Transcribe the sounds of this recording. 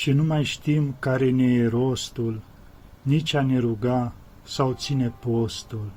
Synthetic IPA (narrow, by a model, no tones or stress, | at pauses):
ʃinumajʃt̪imkaɾeneeɾost̪ul | nit͡ʃaneɾuɡa | sawt͡sinepost̪ul